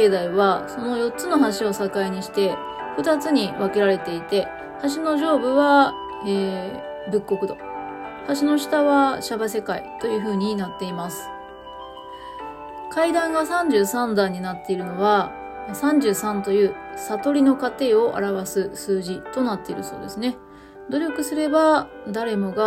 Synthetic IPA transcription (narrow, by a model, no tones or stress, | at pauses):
ed̪aiβaso̞no̞jo̞tt͡sɨno̞ɦaɕio̞sakaiɲ̟iɕi̥t̪e̞ | ɸɯ̟t̪at͡sɨɲ̟iβake̞ɾaɾe̞t̪e̞it̪e̞ | t̪aɕ̬ino̞ʑo̞ːbɯ̟βa | eː | bɯ̟kːo̞kɯ̟d̪o̞t̪aɕ̬ino̞ɕi̥t̪aβaɕabase̞kaḭt̪o̞jɯ̟ːɸɯ̟ːɲ̟inat̪ːe̞imasɨ̥ | kʰaid̪ãŋɡasãɲ̟d͡ʑɨːsãnd̪aɲ̟inat̪ːe̞iɾɯ̟no̞βa | sãɲ̟d͡ʑɨːsãnt̪o̞jɯ̟ː | sat̪o̞ɾʲino̞kat̪e̞ːo̞ʔa̰ɾaβasɨsɨːʑit̪o̞nat̪ːe̞iɾɯ̟so̞̰ːd̪e̞sɨne̞ | d̪o̞ɾʲo̞kɯ̟sɨɾe̞ba | d̪aɾe̞mo̞ɡa